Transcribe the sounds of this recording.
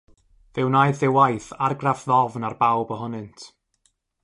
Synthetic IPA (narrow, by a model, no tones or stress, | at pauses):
ðɪwnaɨðɪwajθarɡrafðɔvnarbawbəɦʊnɨntʰ